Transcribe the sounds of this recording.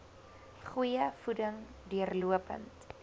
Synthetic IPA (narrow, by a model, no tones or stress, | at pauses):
χujəfudəŋdyərluəpə̰nt